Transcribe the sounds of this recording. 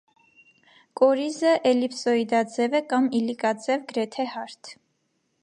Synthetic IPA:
kʼɔɾizəʔɛlipsɔid̪ɑd͡zɛvɛkɑmilikɑd͡zɛvɡəɾɛt̪ʰɛhɑɾt̪ʰ

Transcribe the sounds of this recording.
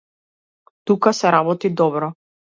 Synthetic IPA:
t̪ukasɛɾabɔt̪id̪ɔbɾɔ

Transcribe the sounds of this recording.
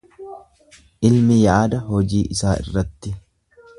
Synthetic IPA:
ʔɪlmɪjaːd̪ɐɦɔd͡ʒiːʔɪsaːɪ̰rːɐt̪ːɪ

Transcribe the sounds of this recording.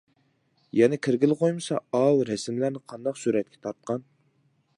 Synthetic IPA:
jɛnɪkʲʰiɾɡʲilˠqojmɨsɑɑlˠɾɛsmlæɾnɪqʰɑnd̪ɑqsyɾɛt̪̚kʲʰɛ̥t̪ʰɑɾt̪̚qʰɑn

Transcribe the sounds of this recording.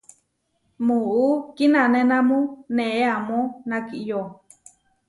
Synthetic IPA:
muukinanenãmũneʔeamonakiʔjo

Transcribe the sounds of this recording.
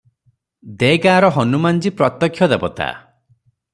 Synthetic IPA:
d̪eɡaːɾɔɦɔnumand͡ʒipɾɔt̪ːɔkʰːjɔd̪ebɔt̪a̰

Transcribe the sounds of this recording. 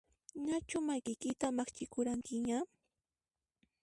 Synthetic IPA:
ɲat͡ʃʊmajkɪjkɪt̪amaχt͡ʃɪkʊɾaŋkɪɲa

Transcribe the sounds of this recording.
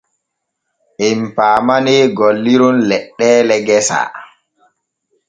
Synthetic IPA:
ʔimpaːmaneɡolːiɾunlɛɗːɛːlɛɡɛsa̰

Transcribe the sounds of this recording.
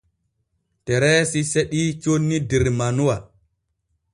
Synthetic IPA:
tɛɾɛsiseɗiːt͡ʃonːidiɾmanuwa

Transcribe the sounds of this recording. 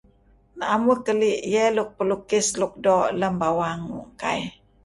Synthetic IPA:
naamukəliʔjɛluk̚pəlukɪsluk̚dɔʔləmbawaŋṵʔka̰j

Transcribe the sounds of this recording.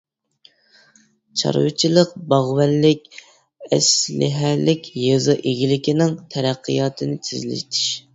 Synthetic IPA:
t͡ʃʰɑ̰ɾwɨt͡ʃʰilˠəqbɑʁwælːɪkʲ | ɛ̰slɪ̰ɦælɪkʲjɨzɨʔeɡʲilɪkʲinɪŋt̪ʰɛɾæqːɨjɑːt̪ʰɨnɪt̪ʰɪzlɪ̰ʃt̪ʰɪ̥ʃ

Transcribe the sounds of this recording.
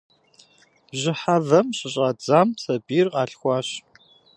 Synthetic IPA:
ʑɪħavɐmɕɪɕʼaːd͡zaːmsɐbiːrqɑːɬxʷɑːɕ

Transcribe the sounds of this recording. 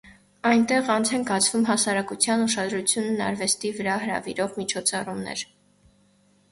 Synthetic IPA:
ɑjnt̪ɛʁɑnt͡sʰɛŋkɑt͡sʰvumɦɑsɑɾɑkut͡sʰjɑnuʃɑd̪ɾut͡sʰjunːɑ̰ɾvɛst̪ivəɾɑɦəɾɑ̰vḭɾɔʁmit͡ʃʰɔt͡sʰɑrumnɛ̰ɾ

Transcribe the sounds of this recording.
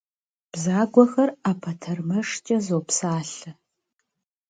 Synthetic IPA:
b̥zaːɡʷɔxɐraːpʰɐtʰɐrmɐʂt͡ʃʼɐzoːpsaːɬɨ

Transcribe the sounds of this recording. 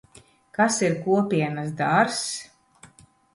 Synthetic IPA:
kasiɾkuɔpʲiɛnasd̪aɾs

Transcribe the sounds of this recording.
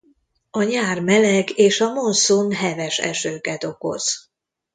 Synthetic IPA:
ɒɲaːrmɛlɛɡeːʃɒmonsonɦɛvɛʃɛ̰ʃøːkɛt̪o̞ko̰z̥

